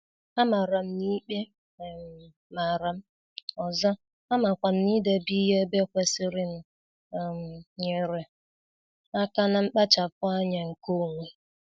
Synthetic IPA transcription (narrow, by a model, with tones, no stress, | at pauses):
a˦ma˨ɾa˨m̩˦ni˦k͡pe˦˨ | ma˨ɾa˨m̩˦ | ɔ˨zɔ˦ | a˦ma˨kʷa˨m̩˦ni˦de˨bi˦ɦe˦be˦kʷe˦sɪ˦ɾɪ˦n̩˨ | m̩˨ɲe˨ɾe˨ | a˦ka˦na˦ŋ͡m̩˦k͡pa˦t͡ʃa˨pʊ˦a˦ɲa˨ŋ̩˨ko˦˨ŋʷe˨